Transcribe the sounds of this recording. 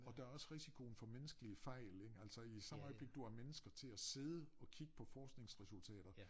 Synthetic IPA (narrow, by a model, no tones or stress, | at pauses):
ɒ̽d̥ɑ̈æɐɒ̽sʁisikʰo̝n̩fɒ̽menəsɡ̥əliəfɑɪ̰leɡ̥æl̰sɒ̽isɑ̈mɒ̽ɪb̥le̝ɡ̥̚d̥uæɐmenəsɡ̥ɐt͡sʰe̝æse̝ːð̞ˠəɒ̽kʰiɡ̥ə̥pʰɒ̽fɒːsɡ̥ne̝ŋsʁɛsult͡sʰɛ̰ːɾ̥ɐ